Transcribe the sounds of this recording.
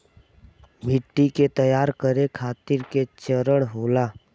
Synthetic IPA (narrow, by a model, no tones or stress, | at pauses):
mʱɪʈːiket̪əjaːɾkəɾekʰaːt̪ɪɾket͡ʃəɾəɽ̃ɦoːlaː